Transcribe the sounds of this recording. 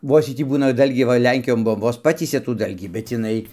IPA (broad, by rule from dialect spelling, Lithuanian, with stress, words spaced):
ˈʋoːs ˈjiː ˈtʲiː ˈbuːnɐ ˈdɐlʲɡʲiː ˈʋɐ ˈlʲɛŋʲkʲɪjoːn ˈbuɔm ˈʋoːs ˈpɑːtʲiːsʲɛ tuː ˈdɐlʲɡʲiː bʲɛt ɪˈnɐɪ